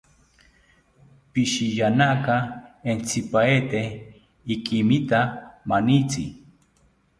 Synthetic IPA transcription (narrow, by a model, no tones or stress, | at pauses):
piʃijanakaent͡sipaet̪eh | ikimit̪amanit͡si